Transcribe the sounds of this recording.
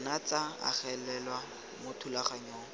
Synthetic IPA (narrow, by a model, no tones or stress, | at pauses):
nat͡saa̰χɛlɛlwa | mʊtʰulaχaɲɔːŋ